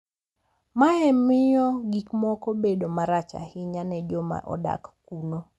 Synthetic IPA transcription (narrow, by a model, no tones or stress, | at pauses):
maɛmɪjɔɡikmɔkobedomaɾat͡ʃa̰hɪɲanɛd͡ʒɔma̰ʔɔ̰da̰kːuno